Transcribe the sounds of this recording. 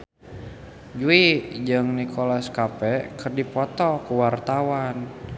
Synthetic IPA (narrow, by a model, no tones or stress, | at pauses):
d͡ʒuid͡ʒɨŋnikʰɔlaskapɛkərdipɔt̪ɔkuwart̪awan